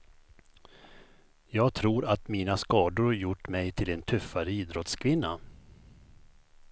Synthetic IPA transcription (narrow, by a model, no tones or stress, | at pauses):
jɑːɡ̚t̪ʰɾuːɾat̪miːnaskɑːd̪ʊɾhjʊʈːmɛjt̪ʰɪlɛnt̪ʰɵfːaɾəiːd̪ɾɔt̪skʰvɪnːa̰